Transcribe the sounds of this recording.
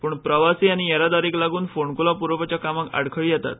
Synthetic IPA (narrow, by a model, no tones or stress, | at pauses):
puːɳpɾəʋasiːañijaɾad̪aɾiːklaɡuːnfoɳkulapuɾʋəpat͡ɕjakamaka̰ɽkʰəɭjɛt̪a̰t̪̚